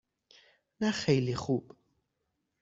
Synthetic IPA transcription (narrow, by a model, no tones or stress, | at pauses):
naχɛjliχub̥